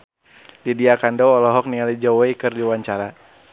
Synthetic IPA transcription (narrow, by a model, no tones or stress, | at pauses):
didiakandɔɔlɔɦɔk̚niŋalid͡ʒɔwɛikɨrdiwaɲt͡ʃaɾa